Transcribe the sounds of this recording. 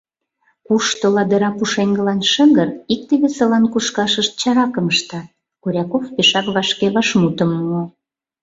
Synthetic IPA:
kuʃt̪olɑd̪əɾɑpuʃeŋɡəlɑnʃəŋɡərik̚t̪eβet͡səlɑnkuʃkɑʃəʃt̪̚t͡ɕɑɾɑkəməʃt̪ɑt̪̚ | koɾʲɑkofpeʃɑpβɑʃkeβɑʃmut̪əmːo

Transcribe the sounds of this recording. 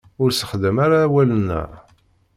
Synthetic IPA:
ʊɾsə̥χd̪əmaɾaːwælənːæ̰

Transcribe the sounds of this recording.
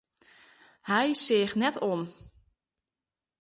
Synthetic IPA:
hɛjsɪːxnɛtʰon

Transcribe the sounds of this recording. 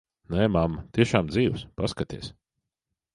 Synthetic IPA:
nɛmamːɐt̪iɛʃaːmd̪ziːwspaskat̪ʲiɛs

